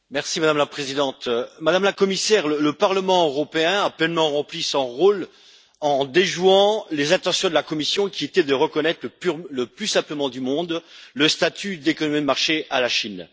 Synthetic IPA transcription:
mɛʁsimad̪amlapχezid̪ɑ̃t̪mad̪amlakɔmisɛʁlələpaʁləmɑ̃øʁɔpeɛ̃aplɛnmɑ̃ʁɑ̃plisɔ̃ʁol | ɑ̃d̪eʒuɑ̃lezɛ̃t̪ɑ̃sjɔ̃d̪əlakɔmisjɔ̃kʲiet̪ɛd̪əʁəkɔnɛt̪χləpyləplysɛ̃pləmɑ̃d̪ymɔ̃d̪ləst̪at̪ʰyd̪ekɔnɔmid̪əmaʁʃealaʃin

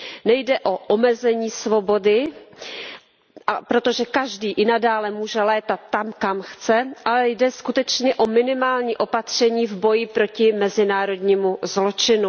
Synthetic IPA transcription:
nɛjdɛʔo̞ʔomɛzɛɲiːsvo̞bo̞dɪ | apɾo̞t̪o̞ʒɛkaʒdiːʔɪnadaːlɛmuːʒɛlɛːt̪at̪ːamkamxt͡sɛʔalɛjdɛskut̪ɛt͡ʃɲɛʔo̞mɪnɪmaːlɲiːʔo̞pat̪r̝̥ɛɲiːvbo̞jɪpɾo̞cɪmɛzɪnaːɾo̞dɲiːmuzlo̞t͡ʃɪnu

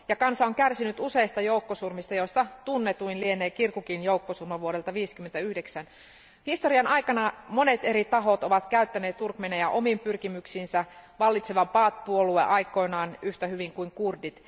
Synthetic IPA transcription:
jɑkɑnsɑoŋkærsinyt̪use̞ist̪ɑjoukːosurmist̪ɑjo̞st̪ɑt̪unːet̪uinlieneːkirkukinjoukːosurmɑʋuoɾelt̪ɑʋiːskymːent̪æyhdeksæn | hist̪oriɑnɑjkɑnɑmo̞ne̞t̪e̞ɾit̪ɑɦo̞t̪oʋɑt̪kæyt̪ːæneːt̪ːurkmenejæʔo̞mimpyrkimyksiːnsæʋɑlːit̪seʋɑpɑːt̪̚puoluḛʔɑjko̞inɑːnyht̪æhyʋiŋkuiŋkurdit̪

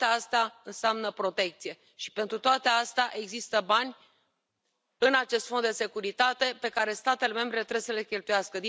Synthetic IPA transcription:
east̪aɨnseamnəpɾo̞t̪e̞k̚t̪sije̞ | ʃi̥pe̞nt̪ɾut̪oat̪east̪aʔe̞ɡzist̪əbanʲ | ɨnat͡ʃe̞st̪fond̪d̪e̞se̞kuɾit̪at̪e̞pe̞kaɾe̞st̪at̪e̞le̞me̞mbɾelet̪ɾeesəle̞kʲe̞lt̪ujaskəd̪i

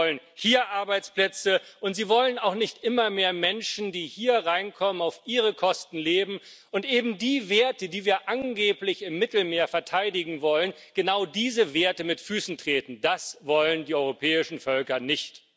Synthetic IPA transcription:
ɔlənhiːɐʔaɐbaɪt͡spl̥ɛt͡səʔʊntz̥iːvɔlənaʊxnɪçtʔɪmɐmeːɐmɛnʃn̩diːhiːɐʁaɪnkʰɔmənaʊfʔiːʁəkʰɔstn̩leːbm̩ | ʔʊntʔeːbm̩diːveːɐtədiːviːɐʔanɡeːplɪçɪmːɪtl̩meːɐfɛɐtʰaɪdɪɡŋ̩vɔlən | ɡ̥ənaʊdiːzəveːɐtəmɪtfyːsn̩tʁ̥eːtn̩dasv̥ɔləndiːɔʏʁopʰɛːɪʃn̩fœlkɐnɪçt

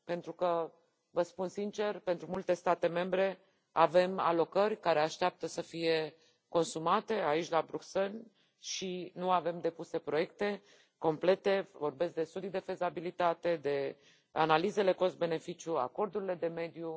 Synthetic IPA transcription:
pe̞nt̪ɾukə | vəspunsint͡ʃe̞rpe̞nt̪ɾumult̪e̞st̪at̪e̞me̞mbɾe̞ | ave̞ma̰lo̞kərʲkaɾe̞aʃt̪eap̚t̪əsəfije̞ | ko̞nsumat̪e̞ait͡ʃʲlabɾukse̞l | ʃinuave̞md̪e̞puse̞pɾo̞je̞kt̪e̞ | ko̞mple̞t̪e̞vo̞rbe̞sk̚d̪e̞st̪ud̪id̪e̞fe̞zabilit̪at̪e̞d̪e̞ | analize̞le̞ko̞st̪̚be̞ne̞fit͡ʃjua̰ko̞rd̪uɾile̞d̪e̞me̞d̪ju

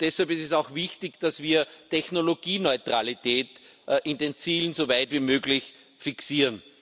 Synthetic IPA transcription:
d̥ɛshalpɪstɛsaʊxvɪçtɪçd̥asv̥iːɐtɛçnoloɡiːnɔʏtʁ̥alitʰɛːtʔɪndeːnt͡siːlən̩sovaɪtviːmøːɡlɪç | fɪksiːʁən

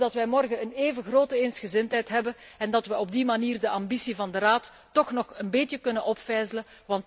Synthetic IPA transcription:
dɑtʋɛjmɔrɣəəneːvəɣroːtəensxəzɪntɦɛjtɦɛbənɛndɑtʋəɔb̚dimaniːrdəʔɑmbisivɑndəraːtː | ɔxnɔxənbɪtjəkɵnənʔɔpfɛjzələʋɑnt

